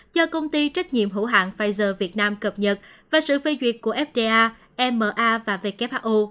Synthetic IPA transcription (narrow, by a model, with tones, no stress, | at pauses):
zɔ˧kə˧wŋ͡mt̪i˧t͡ɕa˦˥k̟̚ɲḭ˧˨əmɦṵ˧˥ɦa̰ː˧˨ŋfaː˧jzəː˧˩vi˨˩ət̚naː˧mkə˨˩p̚ɲə˨˩t̚vaː˨˩sɨ̰˧˨fe˧zwi˨˩ət̚kːu˧˩əʔɛ˦˥p̚ɗe˧ʔaː˧ | ʔɛ˧mːəː˨˩ʔaː˧vaː˨˩ve˧˩kɛ˦˥p̚ʔaː˧ʔu˧